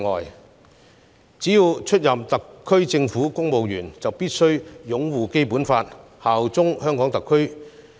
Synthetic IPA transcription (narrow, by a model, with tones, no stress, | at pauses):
ŋɔ̰ː˨j | t͡siː˨˥jiː˧wt͡ʃʰɵ˥t̚jɐ˨mt̪ɐ˨kʰːɵ˥ɥt͡sɪ˧ŋfuː˨˥kʊ˥ŋmo˨wjyː˨˩nt͡sɐ˨wpiː˥t̚sɵ˥ɥjʊ˨˥ŋwuː˨˩ke˥jpuː˨˥nfaː˧t̚ | haː˨wt͡sʊ˥ŋhœː˥ŋkɔː˨˥ŋt̪ɐ˨kʰːɵ˥ɥ